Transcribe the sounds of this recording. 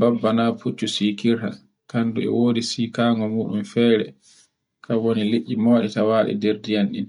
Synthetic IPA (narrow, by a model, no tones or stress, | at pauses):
babːanaput͡ʃːusiːkiɾha̰ | kanduɛ̰woːdisiːkaːŋɡɔmuːɗumfɛːɾɛ̰ | kʰawonileʔːimɔːɗitawaːɗḭdeɾdijanɗḭn